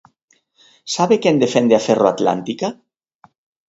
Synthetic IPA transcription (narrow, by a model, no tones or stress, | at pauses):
saβekend̪efend̪eaferoat̪la̰nt̪ika